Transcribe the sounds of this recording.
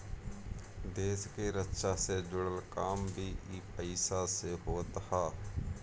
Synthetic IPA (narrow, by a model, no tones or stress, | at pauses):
d̪eːskeːɾətʃaːsed͡ʒʊɽəlkaːmbʱiːʔiːpəɪsaːseɦoːt̪haː